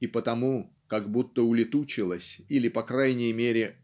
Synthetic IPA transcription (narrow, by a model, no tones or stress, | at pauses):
ipət̪ɐmu | kɐɡbut̪ːəʊlʲɪt̪ut͡ɕɪlˠəsʲilʲɪpɐkɾajnʲɪjəmʲeɾʲɪ